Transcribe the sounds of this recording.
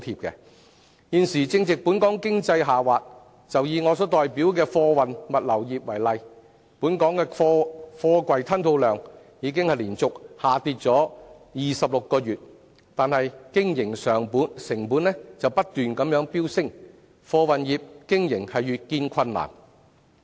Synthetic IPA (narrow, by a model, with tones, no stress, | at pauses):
t̪ʰiː˧p̚kɛ̰˧ | jiː˨˧nsiː˨˩t͡sɪ˧ŋt͡sɪ˨k̚puː˨˥nkɔː˨˥ŋkɪ˥ŋt͡sɐ˧jɦaː˨waː˨t̚ | t͡sɐ˨wjiː˨˧ŋɔː˨˧sɔː˨˥t̪ɔː˨jpiː˨˥wkɛː˧fɔː˧wɐ˨nmɐ˨t̚lɐ˨˩wjiː˨p̚wɐ˨˩jlɐ˨j | puː˨˥nkɔː˨˥ŋkɛː˧fɔː˧fɔː˧kwɐ˨jt̪ʰɐ˥nt̪ʰo˧wlœː˨ŋ | jiː˨˧k̬ɪ˥ŋhɐ˨jliː˨˩nt͡sʊ˨k̚haː˨t̪iː˧t̚t͡sɔː˨˥jiː˨sɐ˨p̚lʊ˨kːɔː˧jyː˨t̚ | t̪aː˨nhɐ˨jkɪ˥ŋjɪ˨˩ŋsœː˨˩ŋpuː˨˥nsɪ˨˩ŋpuː˨˥nlɛ˥t͡sɐ˨wpɐ˥t̚t̪yː˨nkɐ˨˥mjœː˨˥ŋpiː˥wsɪ˥ŋ | fɔː˧wɐ˨njiː˨p̚kɪ˥ŋjɪ˨˩ŋhɐ˨jjyː˨t̚kiː˧nkʷʰɐ˧nːa̰ː˨˩n